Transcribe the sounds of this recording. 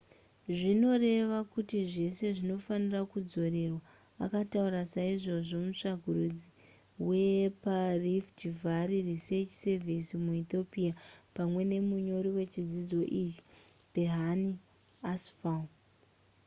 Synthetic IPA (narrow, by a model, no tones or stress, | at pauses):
ʐino̞re̞ʋakutiʐe̞se̞ʐino̞fanirakud͡zo̞ɾe̞rwa | a̰katauɾasaiʐo̞ʐo̞muʂaɡʱuɾud͡zi | we̞pariftivaririse̞t͡ʃse̞visimuit̪o̞piapamwe̞ne̞muɲo̞ɾiwe̞t͡ʃid͡zid͡zo̞ʔit͡ʃi̥ | b̥ʱeɦani | asfa